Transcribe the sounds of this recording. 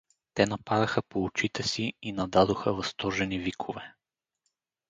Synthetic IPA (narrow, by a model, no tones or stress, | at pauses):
t̪ɛnɐpaɾɐxəpoːt͡ʃit̪ɛsiinɐd̪ad̪oxəvɐst̪ɔʒɛnivikʰovɛ